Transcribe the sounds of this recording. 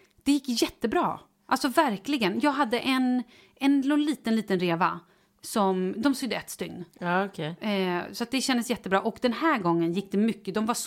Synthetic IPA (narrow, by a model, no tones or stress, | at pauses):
d̪̥ɛjɪkːjɛt̪ːəbɾɑː | ʔalsɔvæɾklɪɡənjɑːɡɦad̪ːəʔɛn | ɛnlɔliːt̪ənliːt̪ənɾeːva̰ | sɔmd̪ɔmsʏd̪əɛt̪ːst̪ʏŋnaːɔkʰesɔat̪̚d̪ɛɕɛnd̪əsjɛt̪ːəbɾɑːʔɔkd̪ɛnhæːɾɡɔŋːənjɪkːd̪ɛmʏkːəd̪ɔmvaʂ